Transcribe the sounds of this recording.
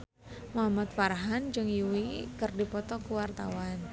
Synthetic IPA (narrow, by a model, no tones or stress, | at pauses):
moɦamat̪̚faɾaɦand͡ʒɨŋjuwikərdipɔt̪ɔkuwart̪awan